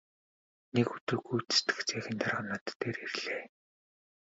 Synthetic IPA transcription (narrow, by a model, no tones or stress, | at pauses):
nekɵt̪ɵ̆rɡujt̪ɘ̥st̪ɘ̥̆xt͡sʰæːxʲɪ̆nt̪ʰarʁanat̪ːeːɾerɮeː